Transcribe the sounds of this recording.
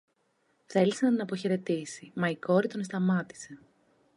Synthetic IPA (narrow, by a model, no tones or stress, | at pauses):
θe̞lisenɐt̪inɐpo̞çe̞ɾe̞t̪isimɐiko̞ɾit̪o̞nst̪ɐmɐt̪i̥se̞